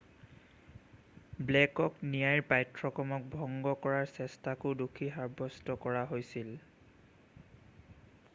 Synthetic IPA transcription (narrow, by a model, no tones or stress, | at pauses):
blɛkɔknijajɹpajtɹɔkɔmɔk̚bʱɔŋɡɔkɔɹaɹsɛstakʊdukʰiɦaɹbɔstɔkɔɹaɦojsil